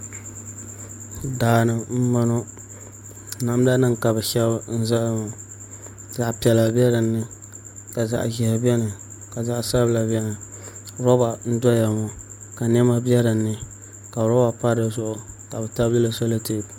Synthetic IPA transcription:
daː˨nɨ˨m̩˦ma˦no˦ | na˨m˦da˦nɨ˦ŋ˨ka˨bɨ˨ʃɛ˦lbn̩˦za˦˨mɔ˨ | za˨ʔpi˨ɛ˨la˨bɛ˦ɾɨ˨nːɨ˦ | ka˨za̰˨ʔʒɪ˨ha˨bɛ˦nɨ˨ | ka˨za˨ʔsa˦bla˨bɛ˦nɨ˨˦ | ɾɔ˦ba˨n̩˦dɔ˦ja˨mo˨ | ka˨nɛ˦ma˦bɛ˦ɾɨ˨nːɨ˨ | ka˨ɾɔ˦ba˨pa˦ɾɨ˨zʊ˦ʔʊ˨ | ka˨bɛ˨ta˦bɨ˦la˨so˦la˦te˦˨

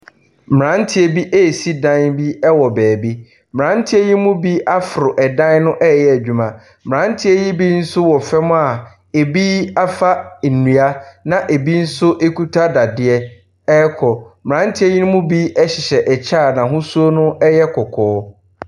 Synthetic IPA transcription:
mɪ˨ɾã˦n̩˦tʰɪ˦e˨bi˦ʔe˦˨si˦dã˦nbi˦ɛ˦wɔ˨bɛː˨bi˦ | m˨ɾã˦n̩˦tʰɪ˦e˦ji˦mʊ̃˦bi˦ʔa˦fɾʊ˨ʔɛ˨dã˦nnʊ̃˦ʔɛ˦˨jɛ˦æ˨d͡ʑᶣu˨mã˨ | m˨ɾã˦n˦tʰɪ˦e˦ji˦bi˦n̩˦sʊ˦wɔ˨fɛ˦mʊ̃˦a˨ | e˨bi˦a˦fa˦n̩˨nũ˨a˦nã˨ʔe˨bi˦n̩˦sʊ˦ʔe˦kʰu˦tʰa˦da˨dɪ˦ɛ˦ | ɛ˦kʰɔ˨mɪ˨ɾã˨˦n˦tʰɪ˦e˦ji˦nʊ̃˦mʊ̃˦bi˦ɛ˦ɕɪ˨ɕɛ˨ʔɛ˨t͡ɕʰaː˦˨nã˨ɦʊ̃˦su˦o˦nʊ̃˦ʔɛ˦jɛ˦kʰɔ˨kʰɔː˨˦

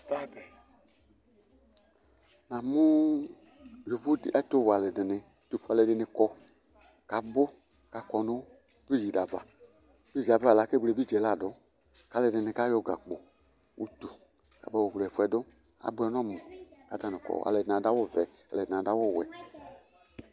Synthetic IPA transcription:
ta˦dɛ˨ | nã˨mʊ˦ | jo˨vu˦dʔa˦to˦wa˨lɛ˨dɪ˨nɪ˨˦tu˨fu˦a˨lɛ˨dɪ˧nɪ˨kɔ˦ | ka˨bʊ˦ | ka˨kɔ˨nʊ˦ | vi˦d͡ʒi˨da˨va̰˨˦ | vi˦˨zi˨a˨va˦˨la˨˦ke˦bu˨le˨bi˦˨d͡ʒɛ˨la˦˨dʊ˨˦ | ka˨lɛ˨dɪ˨nɪ̃˨ka˦jɔ˦ɡa̰˨k͡po˨ | wʔṵ˦tu˨ | ka̰˨bɛ˦wo˨wlɛ˨fu˦ɛ˨dʊ˦ | a̰˨˦bʊ˦ɛ˨˦n˦ɔ̃˦˨mʊ̃˨ka˨ta˨nɪ̃˨kɔ̰˨a̰˨lɛ˨dnã˨da˦wʊ˦vɛ˨ | a̰˨lɛ˨nã˨da˦wʊ˦˨wɛ̰˨

